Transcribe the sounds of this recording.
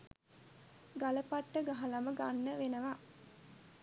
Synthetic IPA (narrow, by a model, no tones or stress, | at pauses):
ɡaləpaʈːəɡaɦalaməɡanːəʋenəʋa